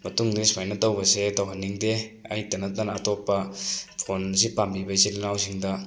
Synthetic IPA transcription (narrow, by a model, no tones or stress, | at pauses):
mɐtuŋnismajnɐtowbɐsetɐwɦanːiŋdeajtɐnɐtanatɔpːɐpʰonz̬ipambibɐjzilinawsiŋdɐ